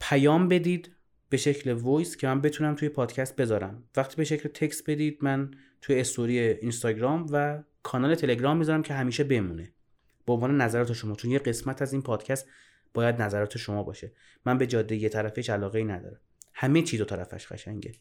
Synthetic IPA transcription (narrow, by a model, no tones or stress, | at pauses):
pʰæjɒːmbe̞d̪iːd̪ | b̥e̞ʃe̞cʰlevojscʲʰe̞mænbe̞t̪ʰuːnæmt̪ʰuje̞pʰɒːd̪̥cʰæst̪̚be̞zɒːɾæmvæχt̪ʰiːbe̞ʃe̞cʰlet̪ʰe̞csbe̞d̪iːd̪̚mæn | t̪ʰujeːst̪oɾijeinst̪ɒːɟɾɒːmvækʰɒːnɒːlet̪ʰe̞leɡɾɒːmːizɒɾæmcʰe̞ɦæmiːʃe̞be̞muːne | b̥eonvɒːnenæzæɾɒːt̪ʰeʃo̞mɒːt͡ʃʰo̞njeɡe̞smæt̪ʰæziːnpʰɒːd̪̥cʰæst̪ | b̥ɒːjæd̪næzæɾɒːt̪ʰeʃo̞mɒːbɒ̰ːʃe̞ | mænbe̞d͡ʒɒːd̪ːe̞jet̪ʰæɾæfeʃælɒːɣeiːnæd̪ɒ̰ːɾæmhæmet͡ʃʰiːd̪o̞t̪ʰæɾæ̰fæ̰ʃɡæ̰ʃæ̰ŋɟḛ